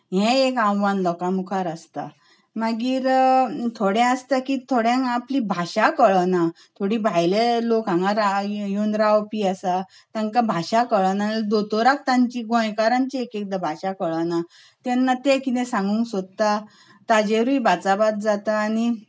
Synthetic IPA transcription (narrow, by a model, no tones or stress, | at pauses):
ɦɛ̃ekãwʋanlɔkamukʰaɾəst̪a̰ | maɡiːɾt̪ʰoɽɛ̃əst̪akiːt̪ʰoɽjãŋaplibʱaɕakəɭəna | t̪ʰoɽiːbʱajlelokãŋɡaɾajonɾawpiːasa | t̪ãŋkabʱaɕakəɭanad̪ot̪oɾak̚t̪ãɲt͡ɕiːɡõjkaɾãɲt͡ɕiekek̚d̪abʱaɕakəɭana | t̪ɛnːat̪ekit̪ɛ̃sãŋɡuːŋksod̪̚t̪a | t̪ad͡ʑeɾuibat͡sabat̪̚d͡zat̪aːni